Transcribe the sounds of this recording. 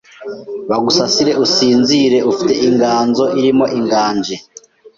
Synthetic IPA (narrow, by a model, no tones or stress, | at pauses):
βaɡusasiɾe̞ʔusiːnziɾe̞ufite̞ʔiŋɡaːnzo̞ʔiɾimo̞ʔiŋɡaːɲd͡ʒe